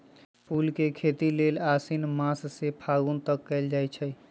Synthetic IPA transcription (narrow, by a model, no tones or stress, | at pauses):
pulkekʰet̪ilelasinmãssepʰaɡunt̪əkːɛld͡ʒajt͡ʃʰəj